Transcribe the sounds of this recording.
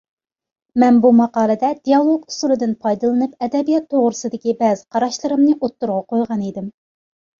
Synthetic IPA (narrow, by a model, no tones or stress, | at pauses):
mɛnbumɑqɑːlˠɨd̪ɛd̪ijɑlˠoɡu̥sulˠɨd̪ɨnpʰɑjd̪ɨlˠɨnɨpɛd̪ɛbijɑt̪ʰːoʁɾɨsɨd̪ɪkʲibɛzqʰɑɾɑʃlˠɨɾɨmnɨʔot̪ːuɾʁɑqojʁɑnid̪ɪm